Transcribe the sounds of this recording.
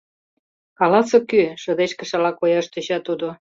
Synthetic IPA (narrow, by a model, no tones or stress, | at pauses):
kɑlɑsokyʃə̆d̪eʃkə̆ʃɑlɑkojɑʃt̪yɕɑt̪ud̪o